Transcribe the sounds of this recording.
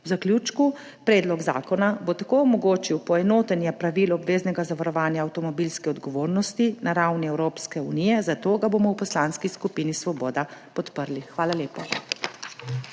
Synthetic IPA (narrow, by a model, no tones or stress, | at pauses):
wzaklʲjuːt͡ʃku | pɾɛːd̪lɔɡza̰ːkɔnabot̪akoːɔmɔɡoːt͡ʃiwpɔɛnoːt̪ɛnjɛpɾaʋilɔːbʋeːznɛɡazaʋaɾɔʋaːnjaːwt̪ɔmɔbilskɛɔd̪ɡɔʋoːɾnɔst̪inaɾawniɛwɾoːpskɛunijɛzat̪oːɡabomɔwpɔslaːnskiskupiːnisʋɔbɔːd̪apɔt̪pəɾlixʋaːlaleːpɔ